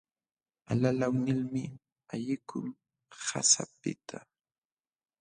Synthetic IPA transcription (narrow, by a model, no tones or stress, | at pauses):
alalawnɪlmɪ | aʎɪkʰʊŋ | ha̰sa̰pɪ̰t̪ʰa